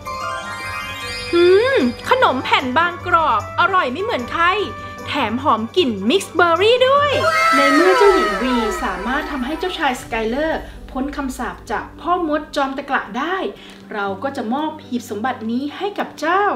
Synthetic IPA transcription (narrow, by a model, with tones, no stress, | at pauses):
ʔɯː˧˩kʰa˧no˩˦mpʰɛ˨˩nbaː˧ŋkɾɔː˨˩k̚ʔa˧ɾɔ˨˩jma˥˩jmɯ˩˦nkʰa˧j | t̪ʰɛː˩˦mɦɔː˩˦mki˨˩nmi˦˥k̚sbɤː˧ɾiː˥˩du˥˩əjna˧jmɯ˥˩t͡ɕaː˥˩wji˨˩nwiː˧saː˨˩˦maː˥˩t̪ʰːa˧mɦa˥˩jt͡ɕaː˥˩wt͡ɕʰaː˧jska˧jlɤː˥˩ | pʰo˦˥nkʰa˧msaː˨˩p̚t͡ɕaː˨˩k̚pʰɔː˥˩mo˦˥t̪̚t͡ɕɔː˧mt̪ɛ˧kla̰˨˩ʔdaː˥˩j | ɾa˧wkɔː˥˩t͡ɕa˨˩ʔmɔː˥˩p̚hiː˨˩p̚so˩˦mba˨˩t̪̚niː˦˥ha˥˩jka˨˩p̚t͡ɕaː˥˩w